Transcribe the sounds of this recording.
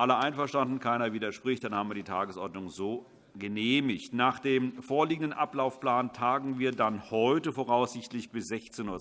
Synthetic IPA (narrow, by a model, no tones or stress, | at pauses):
ʔaləʔaɪnfɛɐʃtandn̩kʰaɪnɐviːdɐʃpʁ̥ɪçt̚d̥anhaːbm̩viːɐdiːtʰaːɡəsʔɔɐtnʊŋzoː | ɡəneːmɪçtnaːχd̥eːmfoːɐliːɡŋ̩dənʔaplaʊfpl̥aːntʰaːɡŋ̩viːɐdanhɔʏtəfoːʁ̞aʊsz̥ɪçtlɪçb̥ɪsz̥ɛçt͡seːnuːɐ